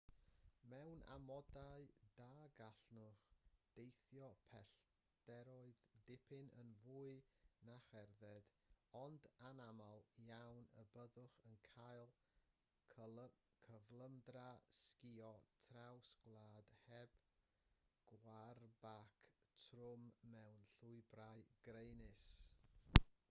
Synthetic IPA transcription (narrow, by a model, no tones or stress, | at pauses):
mɛwnʔa̰mɔdaɨdaːɡaɬnʊχd̥ejθjɔpʰɛɬ | d̥ɛɾɔɨðdɪpʰɪnə̰nvuːɨnaχɛrðɛd | ɔndanamalˠjawnə̰bəðʊχənkʰajlˠʰ | kʰəvlˠəmdraskɪɔtʰrawsɡ̥lˠaːd̥hɛb̥ | ɡ̥warbakʰtʰrʊmːɛwnɬʊɨbrajɡ̥rejnɪs